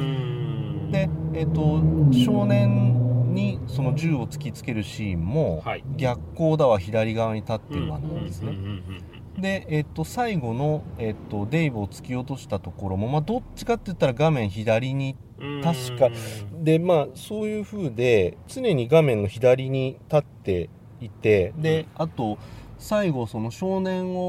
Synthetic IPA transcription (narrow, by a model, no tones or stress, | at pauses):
d̪e̞et̪ːo̞ɕo̞ːnẽ̞ɲɲiso̞no̞ʑɨːo̞t͡sɨ̥kʲit͡sɨ̥ke̞ɾɯ̟ɕiːmːo̞ɡʲakːo̞ːd̪aβaçid̪aɾʲiɡaβaɲ̟it̪at̪ːeɾɯβa̰t̪ːã̰nd̪e̞sɨne̞ | d̪e̞et̪ːo̞saiɡo̞no̞e̞t̪ːo̞d̪e̞ibɯ̟ot͡sɨ̥kʲio̞t̪o̞ɕi̥t̪at̪o̞ko̞ɾo̞mo̞mad̪o̞t͡ɕt͡ɕːi̥kat̪ːejɯ̟t̪ːaɾaɡamẽ̞ɰ̃çid̪aɾʲiɲ̟i | t̪aɕi̥kad̪e̞maːso̞ːjɯ̟ːɸɯ̟ːd̪e̞t͡sɨne̞ɲ̟iɡamẽ̞nːo̞çid̪aɾʲiɲ̟it̪at̪ːe̞ | it̪e̞d̪e̞at̪o̞saiɡo̞so̞no̞ɕo̞ːnẽ̞ɰ̃o̞